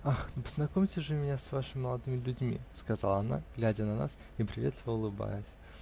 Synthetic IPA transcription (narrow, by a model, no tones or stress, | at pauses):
axnopə̥znɐkomʲtʲɪʐɨmʲɪnʲasvaʂɨmʲɪməlˠɐd̪ɨmʲɪlʲʉdʲmʲḭskɐzalˠəɐna̰ɡ̥lʲædʲənɐna̰s | ipɾʲɪvʲet̪t̪vʊlˠɨba̰jʊsʲ